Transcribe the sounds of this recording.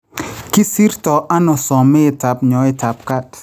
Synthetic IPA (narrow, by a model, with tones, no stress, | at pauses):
ki˦si˦ɾtɔ˨ʔa˦nɔ˨sɔ˨mɪ˦ɪ˨ta˨pɲɔ˨˦ɪ˦ta˨p̚ka˦t